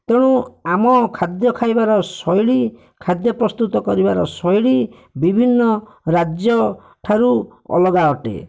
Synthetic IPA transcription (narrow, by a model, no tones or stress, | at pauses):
t̪eɽ̃uamɔkʰad̪jɔkʰajbaɾɔsɔjɽi | kʰad̪jɔpɾɔst̪ut̪ɔkɔɾibaɾɔsɔjɽi | bibʱinːɔ | ɾad͡ʒjɔ | ʈʰaɾuɔ̰lɔɡaɔʈḛ